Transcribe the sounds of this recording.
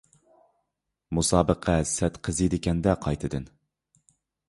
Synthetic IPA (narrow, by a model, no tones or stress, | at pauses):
musɑːbəqʰɛsɛt̪qʰəzɨd̪ɪkʲɛnd̪ɛqʰɑjt̪ʰɨd̪ɨn